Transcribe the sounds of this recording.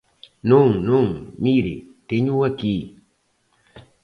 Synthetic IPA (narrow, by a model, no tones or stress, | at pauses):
nʊŋnʊŋmiɾḭt̪eɲuwaki